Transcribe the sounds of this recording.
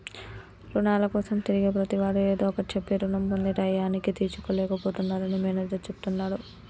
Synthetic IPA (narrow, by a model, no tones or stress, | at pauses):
ɾuɳaːlɐkɔːsɐmt̪iɾiɡeːpɾɐt̪iʋaːɾueːd̪oːɔkɐɽit͡ʃepːeːɾunɐmbond̪iʈɐjaːnikit̪iːɾt͡ʃu̥koːlɛːkɐpoːt̪unːaːlɐnimeːnɐd̪ɐt͡ʃepu̥t̪unːaːɽu